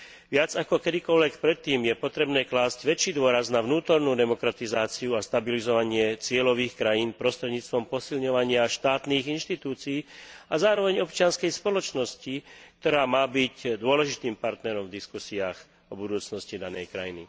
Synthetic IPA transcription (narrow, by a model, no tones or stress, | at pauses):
ʋɪad͡zakɔkɛd̪ikɔlʋɛkpɾɛt̪ːiːmjɛpɔt̪ɾɛbnɛːklaːzɟʋɛt͡ʃiːd̪ʊɔɾaznaʋnuːt̪ɔɾnuːd̪ɛmɔkɾat̪izaːt͡siuast̪abilizɔʋaɲɪɛt͡sɪɛlɔʋiːxkɾajiːnpɾɔst̪ɾɛd̪ɲiːt͡st̪ʋɔmpɔsilɲɔʋaɲɪaʃt̪aːt̪niːɣinʃt̪it̪uːt͡siiːazaːɾɔʋɛɲɔpt͡ʃɪanskɛjspɔlɔt͡ʃnɔscik̚t̪ɔɾaːmaːbicd̪ʊɔlɛʒit̪iːmpaɾt̪nɛɾɔɱvd̪iskusiaːx | ɔbud̪uːt͡snɔscid̪anɛjkɾajinḭ